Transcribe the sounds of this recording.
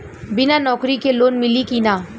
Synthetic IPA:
bɪnanɔːkɾikeloːnmɪlikinaː

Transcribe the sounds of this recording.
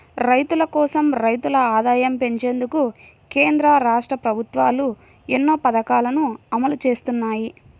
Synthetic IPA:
ɾɐjt̪ulɐkɔːsɐmɾɐjt̪ulɐaːd̪aːjɐmpe̞ɲt͡ʃe̞ːnd̪uku | keːnd̪ɾɐɾaːʂʈɾɐpɾɐbʱut̪ʋaːlu | enːo̞ːpɐd̪ɐkaːlɐnuɐmɐlut͡ʃe̞ːst̪unːaːji

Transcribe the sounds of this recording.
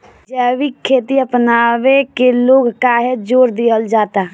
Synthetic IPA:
d͡ʒɛːʋikʰːeːt̪iəpnaːʋekeloːɡkaɦed͡ʒoːɾd̪iəld͡ʒaːt̪a

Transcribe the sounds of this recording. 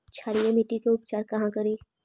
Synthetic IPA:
t͡ʃʰaːɽijemiʈikeʊpt͡ʃaːɾkɐɦãkɐɾiː

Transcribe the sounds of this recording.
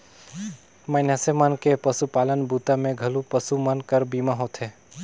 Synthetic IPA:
məɪnasemankepəsupalənbʱut̪amẽɡʱəlupəsumənkəɾbimaɦot̪ʰɦe

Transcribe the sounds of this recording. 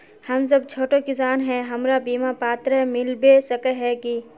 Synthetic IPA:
hɐms̬ɐb̚t͡ʃʰoːʈokɪsaːnɦɛɦɐmɾabiːmapaːt̪ɾəmɪlbesɐkəɦɛki

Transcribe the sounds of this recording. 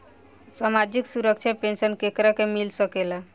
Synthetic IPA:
samad͡ʒiksuɾək̚t͡ʃʰapensənkekɾakemilsəkele

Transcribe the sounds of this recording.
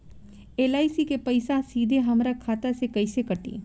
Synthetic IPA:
eːlaːisikepɐɪsasiːd̪ʱeɦɐmɾakʰaːt̪asekɐɪsekɐʈḭː

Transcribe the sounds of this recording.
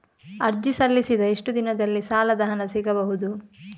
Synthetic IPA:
ɐɾd͡ʒisɐlːisid̪ɐeʂʈud̪inɐd̪ɐlːisaːlɐd̪ɐɦɐnɐsiɡɐbɐɦud̪u

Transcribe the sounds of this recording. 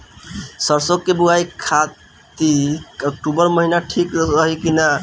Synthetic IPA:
səɾsokːebuajkʰa | t̪iək̚ʈubəɾməɦinaʈʰikɾəɦikina

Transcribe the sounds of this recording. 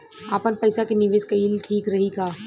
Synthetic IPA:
aːpənpəɪsakenɪʋeːskɐiːlʈʰiːkɾɐɦikaː

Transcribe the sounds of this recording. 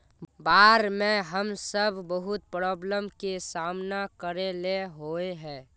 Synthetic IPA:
baːɾmẽɦəmsəbʱbəɦʊt̪̚pɾɔːbləmkesaːmnakəɾeleɦoːeɦɛ̃ː

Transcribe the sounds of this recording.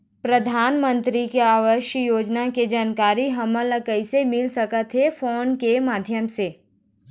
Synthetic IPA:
pɾɐd̪ʱaːnmə̃nt̪ɾikeaːʋəʃjəjoːd͡ʒnaked͡ʒaːnkaːɾiɦɐmə̃ləkəɪsemɪlsɐkət̪ɦɛfoːnkemaːd̪ʱjəmseː

